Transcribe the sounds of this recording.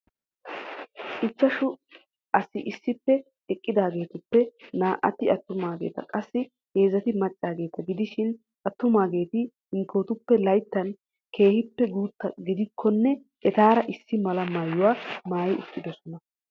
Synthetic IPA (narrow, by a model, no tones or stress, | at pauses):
ɪt͡sːɐʃʊ | ʔɐsɪʔɪsːɪpːɛ | ɛkʼːɪd̪aːɡe̞ːt̪ʊpːɛnaːʔɐ̰t̪ɪɐt̪ːʊmaːɡḛːt̪ɐkʼɐsːɪ | he̞ːzɐt̪ɪmɐt͡ʃʼːaːɡe̞ːt̪ɐɡɪd̪ɪʃɪn | ʔɐt̪ːʊmaːɡe̞ːt̪ɪ | ɪŋkʰo̞ːt̪ʊpːɛlɐjt̪ːɐn | ke̞ːhɪpːɛɡuːt̪ːɐɡɪd̪ɪkʰːɔnːɛ | ʔɛt̪aːɾɐʔɪsːɪmɐlɐmaːjːʊwaːmaːjɪʊt̪ːɪd̪ɔsɔnɐ